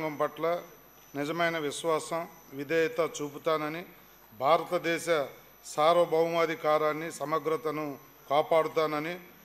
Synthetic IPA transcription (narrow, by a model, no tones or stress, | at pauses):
ŋɡɐmpɐʈlɐ | nid͡ʒɐmɐjnɐʋiʃʋaːsɐm | ʋid̪ʱɐjɐt̪ɐt͡ʃuːput̪aːnɐni | bʱaːɾɐt̪ɐd̪ɛːʃɐ | saːɾʋɐbʱɐʋɐmɐd̪ʱikaːɾaːnːisɐmɐɡɾɐt̪ɐnu | kaːpaːɽut̪aːnɐni